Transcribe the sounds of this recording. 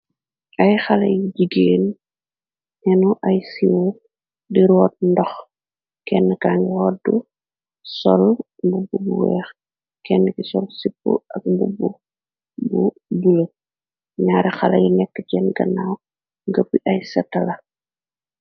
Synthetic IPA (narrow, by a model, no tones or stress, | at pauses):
ʔɐjxɐlɐ̰jiɟiɡeːn | ɛnuʔɐjsiwo | diɾɔːt̚ndɔx | kɛnːəkaːŋɡɛwɔdu | sɔl | bububuwɛ̰ːx | kɛnːəkisɔlsipːṵʔɐk̚bubu | bu | bulə | ɲaːɾɛxɐlɐ̰jinɛkːəcɛnɡɐnaw | ŋɡəpːiʔɐjsɐtːɐlɐ